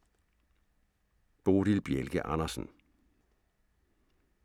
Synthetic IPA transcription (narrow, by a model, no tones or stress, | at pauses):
b̥o̝ːɾilb̥jelɡ̥əʔɑnɐsn̩